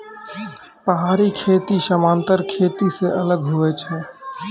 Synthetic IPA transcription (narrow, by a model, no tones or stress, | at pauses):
pəɦaːɾikʰet̪iʃəmaːnt̪əɾkʰet̪iseʔələɡɦuɛt͡ʃʰɛ